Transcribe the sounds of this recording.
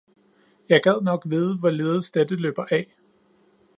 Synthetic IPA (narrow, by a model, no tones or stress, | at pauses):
jɑ̈ɪɡ̥ɛð̞̰ˠnɒ̽ɡ̥ʋiðˠəʋɒle̝ːð̞ˠəsd̥ed̥əlø̰ːb̥ɐʔɛ